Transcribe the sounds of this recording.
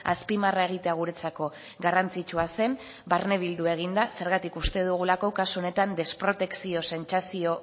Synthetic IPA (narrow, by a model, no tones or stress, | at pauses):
aspimarae̞ɣ̞it̪eaɣuɾe̞t͡sako̞ | ɡarant͡sit͡ʃuase̞m | baɾne̞β̞ild̪ue̞ɣ̞ind̪ase̞ɾɣat̪ikust̪e̞ðuɣ̞ulako̞kasuo̞ne̞t̪and̪e̞spɾo̞t̪e̞ksio̞se̞nt͡sasio̞